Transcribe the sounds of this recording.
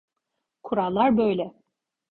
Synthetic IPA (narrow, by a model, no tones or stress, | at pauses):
kʰuɾalˠːaɾbøjlʲɛ